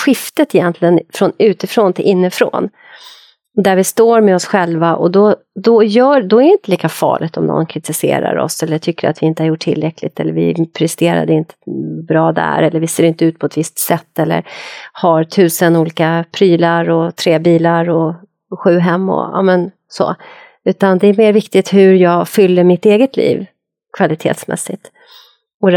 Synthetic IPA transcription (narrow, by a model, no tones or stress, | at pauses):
ɧɪft̪ət̪ɪjɛnt̪lɪɡənfɾɔnʉ̟ːt̪ɪfɾont̪ʰɪlʔɪnːəfɾo̰ːn | d̪æɾvɪst̪oːɾmɛɔsɧɛlvaʔɔ̰d̪ɔ | d̪ɔjœːd̪ɔæɾɪnt̪əliːkafɑ̰ːɭʔɪt̪ɔmnɔ̰nkʰɾɪt̪ɪsḛːɾa̰ɾɔ̰sɛlːəʈʰʏkːəɾa̰t̪vɪɪnt̪əhaɾjʊʈʰːɪlːɾɛkʰlɪt̪ʰɛlːə̰ɾvɪ̰pʰɾɛst̪eːɾa̰d̪əɪnt̪ʰə̥bɾɑːd̪æ̰ɾɛlːəɾvɪseːɾɪnt̪əʉ̟ːt̪̚pʰɔɛt̪vɪst̪sɛt̪ːɛlːə̰ɾhaɾt̪ʰʉ̟ːsənuːliːkapʰɾyːlaɾɔt̪ʰɾeːbiːlaɾɔ | ɧʉ̟ːɦɛmːɔ̰ɑ̰ːmɛn | so̰ː | ʉ̟ːt̪and̪ɛæɾmeːɾvɪkt̪ɪt̪hɵɾjɑːɡfʏlːəɾmɪt̪eːɡət̪ʰlḭːv | kʰv̥alɪt̪ʰḛːt̪smɛ̰sːɪt̪ | ɔɾ